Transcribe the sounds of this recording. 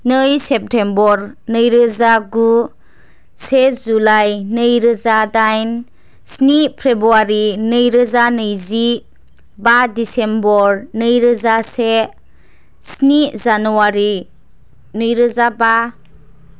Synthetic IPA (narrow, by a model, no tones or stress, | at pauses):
nɯjsep̚tʰembɔɾnɯjɾɯzaɡu | sezulajnɯjɾɯzadajn | snipʰɾebɾuaɾinɯjɾɯzanɯjzi | badisembɔɾnɯjɾɯzase | snizanuwaɾi | nɯjɾɯzaba